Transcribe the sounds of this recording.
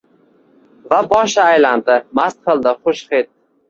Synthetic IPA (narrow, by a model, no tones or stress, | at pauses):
vabɒʃaːjland̪ɪmast̪̚qʰɨlˠd̪ɪχoʃχet̪̚